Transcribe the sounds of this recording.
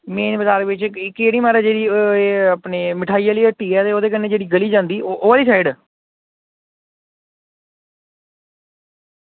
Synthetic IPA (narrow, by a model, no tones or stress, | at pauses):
meːnʋəzaːɾʋɪt͡ʃɪkːeːɽiːmaːɾɛːd͡ʒeːɽiːeapneːmɪʈʰaːijaːləiːəʈːiːɛːt̪eːoːd̪eːk̬ənːeːd͡ʒeːɽiːɡəliːd͡ʒãːnd̪iːoʔoːaːliːsaːɪɖ